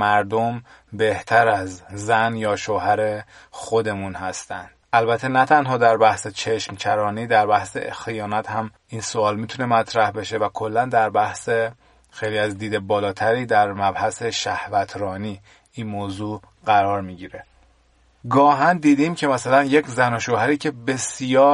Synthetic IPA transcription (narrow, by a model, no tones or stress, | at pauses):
mæɾd̪om | be̞ht̪ʰæɾæzzænjɒːʃoɦæɾe̞ | xo̞d̪e̞munhæst̪ænd̪̥ʔælbæt̪ʰːenæt̪ʰænɦɒːd̪æɾbæhset͡ʃʰeʃmcʰæɾɒːniːd̪æɾbæhsḛxijɒːnæt̪hæm | insoɒːlmit̪ʰune̞mæt̪ʰɾæhbe̞ʃe̞vækʰo̞lːænd̪æɾbæhse | xejliːæzd̪iːd̪e̞bɒːlɒːt̪ʰæɾiːd̪æɾmæbhæse̞ʃæhvæt̪ʰɾɒːniː | inmoːzuː | ɢæɾɒːɾmiːɟiːɾe̞ | ɡɒːɦænd̪iːd̪iːmcʰe̞mæsælænje̞cʰzænoʃoːhæɾiːcʰe̞be̞sijɒː